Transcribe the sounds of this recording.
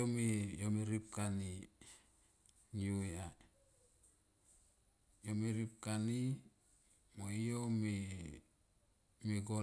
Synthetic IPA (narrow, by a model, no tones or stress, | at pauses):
omejomeɾip̚kani | juea | jomeɾip̚kani | moijome | meɡo